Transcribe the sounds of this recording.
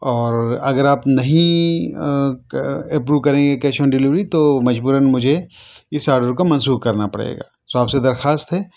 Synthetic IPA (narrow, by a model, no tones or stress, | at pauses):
ɔːɾɐɡəɾaːpnɐɦĩ | ɐpɾuːʋkɐɾẽːŋɡekɛːʃɔːnɖɪlɪʋɾit̪omɐd͡ʒbuːɾənmʊd͡ʒʱeɪsaːɾɖəɾkomɐ̃nsuːkkɐɾnapɐɽḛːɡa̰ːsoaːpsed̪ɐɾxaːst̪ɦɛː